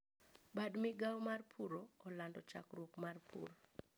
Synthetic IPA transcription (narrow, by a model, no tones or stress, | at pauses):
badmɪɡawmarpʰuɾoːlandɔt͡ʃa̰krwokmarpʰṵr